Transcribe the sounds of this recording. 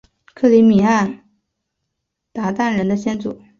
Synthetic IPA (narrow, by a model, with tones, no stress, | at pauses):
kʰɤ˥˩li˧˥mi˨˩a˥˩n | t̪a˧˥t̪a˥˩nɻə˧˥nd̪ə˧ɕjɛ˥nt͡sṵ˨˩˦